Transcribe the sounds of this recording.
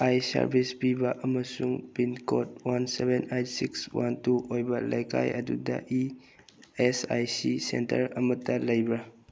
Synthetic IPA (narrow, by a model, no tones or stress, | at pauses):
ajsa̰ɾbʱispibɐʔɐmɐsuŋpinkʰot̚wansebenajtsikswantuʔojbɐlejkʰa̰jɐdudɐ̰ʔi | esajsisḛntɐ̰ɾɐmɐtɐlɐjbɾa